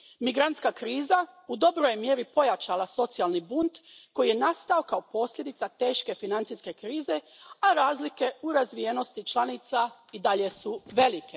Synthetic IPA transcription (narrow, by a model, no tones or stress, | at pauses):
miɡɾant̪skakɾiːzaud̪o̞bɾojmje̞ɾipo̞jat͡ʃalaso̞t̪sialnibunt̪ko̞jije̞nast̪ao̞kao̞po̞sʎʲe̞d̪it̪at̪e̞ːʃke̞finant̪siske̞kɾiːze̞ | aɾaːzlike̞uɾazʋijeno̞st̪it͡ʃlˠanit̪said̪aʎe̞suʋe̞like̞